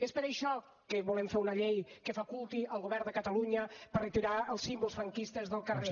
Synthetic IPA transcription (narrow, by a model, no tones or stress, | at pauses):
espəɾəjʃɔ | kəβulemfeɾunəʎejkəfakulˠt̪iʔəlˠɣoβɛɾnd̪əkət̪əluɲəpərət̪iɾaəlˠsimbulˠsfɾəŋkist̪əzðəlˠkəre